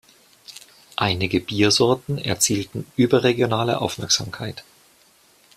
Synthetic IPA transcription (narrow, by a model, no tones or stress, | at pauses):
ʔaɪnɪɡəbiːɐzɔɐtn̩ɛ̰ɐt͡siːltn̩ʔyːbɐʁeɡjonaːlə̰ʔa̰ʊfmɛɐkz̥a̰ːmkʰaɪt